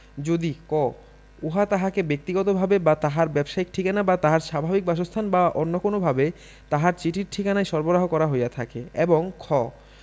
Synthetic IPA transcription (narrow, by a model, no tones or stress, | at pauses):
d͡ʑod̪ikɔ | oɦat̪aɦakebek̚t̪iɡɔt̪obʱabebat̪aɦaɾbɛbʃaik̚ʈʰikanabat̪aɦaɾʃabʱabik̚baʃ̬ost̪ʰanbaʔonːokonobʱabe | t̪aɦaɾt͡ɕiʈʰiɾʈʰikanajʃɔɾboɾaɦokɔɾaɦojat̪ʰa̰keeboŋkʰɔ